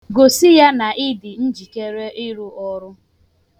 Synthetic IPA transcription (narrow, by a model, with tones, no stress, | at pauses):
ɡo˨sɪ˦ja˦na˨ʔɪ˦dɪ˨n̩˦d͡ʒi˨ke˦ɾe˦ɪ˦ɾu˦ɔ˦ɾʊ˦